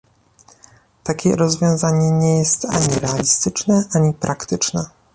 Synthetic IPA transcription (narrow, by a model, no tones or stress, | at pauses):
t̪akʲɛ̰ɾɔzvʲjɔ̃w̃zaɲɛɲɛjɛst̪a̰ɲiɾɛalʲist̪ɘt͡ʂnɛʔaɲipɾʔakt̪ɘt͡ʂnɛ